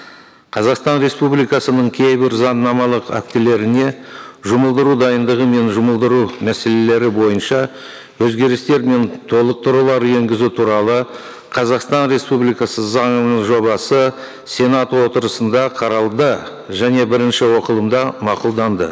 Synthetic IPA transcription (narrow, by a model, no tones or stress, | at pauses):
qʰɑzɑqst̪ɑnɾe̞spublijkɑsənəɴkʲʰe̞jbɪɾzɑnːɑmɑlˠəqæ̰k̚t̪ele̞ɾɪne̞ʒʊməlˠd̪əɾud̪ɑjənd̪əʁəme̞nʒʊməlˠd̪əɾumæse̞le̞le̞ɾɪbo̞jənʃɑ | wɵzɡʲe̞ɾɪst̪e̞ɾme̞nt̪ʰo̞lˠəq̚t̪ʰʊɾulˠɑɾe̞ŋɡʲɪzut̪ʰuɾɑlˠə | qʰɑzɑqst̪ɑnɾe̞spublijkɑsəzɑɴənəɴʒo̞βɑsə | se̞nɑt̪wo̞t̪əɾəsənd̪ɑqʰɑɾɑlˠd̪ə | ʒæne̞bɪɾɪnʃɪwo̞qəlˠəmd̪ɑmɑqʊlˠd̪ɑnd̪ə